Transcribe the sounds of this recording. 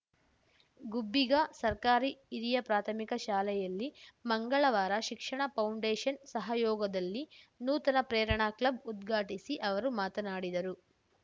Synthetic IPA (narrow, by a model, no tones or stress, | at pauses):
ɡubːiɡɐsɐɾkaːɾiːɾijɐpɾaːt̪ʰɐmikɐʃaːlɛjɐlːimɐŋɡɐɭɐʋaːɾɐʃikʂɐɳɐpɐwɳɖeːʃɐnsɐɦɐjɔːɡɐd̪ɐlːinuːt̪ɐnɐpɾɛːɾɐɳaːklɐbud̪ɡʱaːʈisiʔɐʋɐɾumaːt̪ɐnaːɽid̪ɐɾu